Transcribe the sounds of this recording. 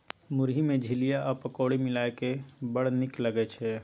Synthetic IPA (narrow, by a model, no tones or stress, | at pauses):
mʊɾɦimẽd͡ʒʱɪlijaʔɐpɐkoːɽimɪlaːekebəɽ̤nɪkləɡet͡ʃʰɛː